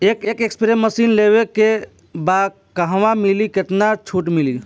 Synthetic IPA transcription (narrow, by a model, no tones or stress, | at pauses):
ekekekspɾemːəsinleβeke | bad̪̚ | kəɦʋamiliket̪nat͡ʃʰuʈmili